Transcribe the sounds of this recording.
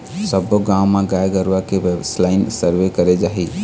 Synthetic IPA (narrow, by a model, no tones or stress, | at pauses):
səboɡawmãɡajɡəɾʋakeʋeslaɪnsəɾʋekəɾed͡ʒaɦi